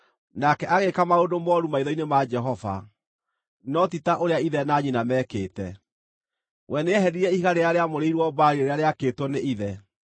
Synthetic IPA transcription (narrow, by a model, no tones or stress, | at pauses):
nakɛʔaɣekamaodomɔɾumaiðɔinemad͡ʒɛɦɔva̰ | nɔtitaʔoɾeaiðɛnaɲinamɛːkeːtɛ | wʔɛneɛɦɛɾiɾɛiɣaɾeaɾeamoɾeiɾwɔbaɾiɾeɾeaɾeaketwɔneiðɛ